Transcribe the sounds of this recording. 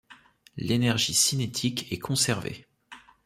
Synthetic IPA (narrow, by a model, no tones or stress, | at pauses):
lenɛʁʒisinet̪ʰikɛkʰɔ̃sɛʁvḛ